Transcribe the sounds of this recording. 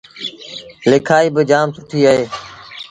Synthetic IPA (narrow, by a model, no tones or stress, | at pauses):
lɪkʰaːiːbɪd͡ʒaːmsʊʈʰiːəɦeː